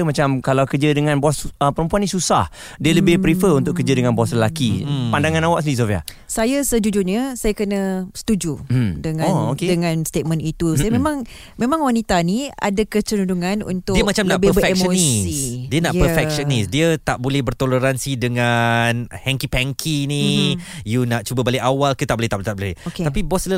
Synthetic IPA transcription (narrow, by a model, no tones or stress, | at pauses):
mat͡ʃamkalawkərd͡ʒədəŋãnbɔsəpəɾəmpuanĩsusah | diələbɪhpɾifəunt̪ʊʔkːəd͡ʒədəŋãnbasləlakipandaŋãnawaʔsdis̬ofia̰ | sajasəd͡ʒud͡ʒuɲəsajakənəsə̥t̪ud͡ʒumdəŋaookedəŋãnst̪et̪̚mə̃nit̪usajamẽmãŋ | mẽmãŋwanit̪ania̰dakət͡ʃənuduŋanṵnt̪ʊiəmat͡ʃamnabeəefɛkmʃəniidiənaʔpərfɛʃənisdiət̪aʔbolɛhbərt̪oləɾansidəŋanhɛŋkipɛŋkʰinijunaʔt͡ʃubəbaliʔawalkət̪aʔbolɛht̪aʔbot̪abolɛhoket̪apibɔslə